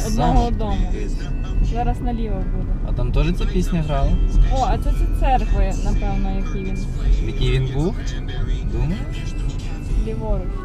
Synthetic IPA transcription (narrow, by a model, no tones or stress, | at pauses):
ɔd̪nɔɦɔɔd̪ɔmʊ | zɑɾɐsnɐlʲiʋɐbud̪ɛɐ̰t̪ɑmt̪ɔʒɛt͡sʲipʲisʲnʲɐɦɾɑlˠɪɔɐt̪sɛt̪sʲit̪sɛrkʋɔjɐnɐpɛwnɐjɐkijinjɐkʲijʋʲinbuw | d̪um | lʲiʋɔɾʊ